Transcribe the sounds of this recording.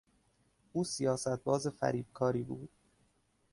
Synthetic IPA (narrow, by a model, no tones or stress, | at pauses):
ʔuːsijɒːsæt̪̚bɒːzefæ̰ɾiːb̥̚kʰɒːɾiːbuːd̪̥